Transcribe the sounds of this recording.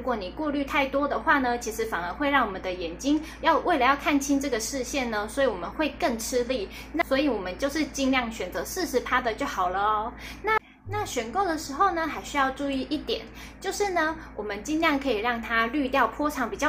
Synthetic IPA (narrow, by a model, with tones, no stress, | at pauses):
ɻu˧˥kwɔ˧˥˦ni˨˩kwɔ˥˧ly˥˧t̪ʰa˥˩ɪt̪wɔ˥d̪ə˨xwa˥˩nə˩t͡ɕʰi˧˥ʂɻ̩˧˥fa˨˩nə˞˧˥xwe˥˧ɪɻɑ˥˩ŋwɔ˨˩mə˦nd̪ə˦jɛ˨˩nt͡ɕi˥ŋ | jɑ˥˧ʊwʔe˥˩ɪlə˨˦jɑ˥˧ʊkʰa˥˩nt͡ɕʰi˥nʈ͡ʂɤ˥˩ɡə˩ʂɻ̩˥˧ɕjɛ˥˩nnə˩swɔ˧˥i˧˥wɔ˨˩mə˦nxwe˥˧ɪkə˥˩ŋʈ͡ʂʰɻ̩˥li˥˩ | na˥˩swɔ˧˥i˨˧˦wɔ˨˩mə˦nt͡ɕjo˥˧ʊʂɻ̩˥˧t͡ɕi˥˧ŋljɑ˥˩ŋɕɥɛ˨˩nt͡sɤ˧˥ʂɻ̩˥˧ʂɻ̩˧˥pʰa˥d̪ə˨t͡ɕjo˥˩ʊxɑ˨˩ʊlə˦ɔ˧˦na˥˧ | na˥˩ɕɥɛ˨˩nko˥˩ʊd̪ə˩ʂɻ̩˧˥xo˥˩ʊnə˩xa˧˥ɪɕy˥jɑ˥˧ʊʈ͡ʂu˥˧i˥˧ʔi˥˩t̪jɛ̰˨˩˦n | t͡ɕjo˥˧ʊʂɻ̩˥˩nə˩wʔɔ˨˩mə˦nt͡ɕi˥nljɑ˥˩ŋkʰɤ˧˥i˨˩ɻɑ˥˩ŋt̪ʰa˥ly˥˧t̪jɑ˥˩ʊpʰɔ˥ʈ͡ʂʰɑ˧˥ŋpi˨˩t͡ɕjɑ˥˩